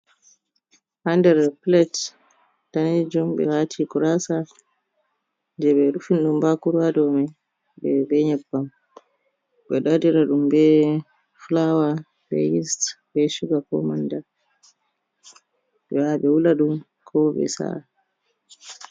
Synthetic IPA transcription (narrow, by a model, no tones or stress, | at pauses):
handɛɾplɛt | taned͡ʒumɓɛ̰watʰikuɾasa | ndɛɓɛɾufinɗumbakuɾwadɔmɛ | bɛbɛɲɛbːam | ɓɛɗadiɾaɗumbɛ | fulawa | bɛ̰jistbɛʃuɡakɔ̰manda | ɓɛwaɓɛwulaɗum | kʰɔɓɛ̰sa̰